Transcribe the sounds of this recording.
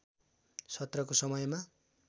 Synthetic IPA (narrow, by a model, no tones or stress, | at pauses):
sʰʌt̪rʌkosʌmʌjma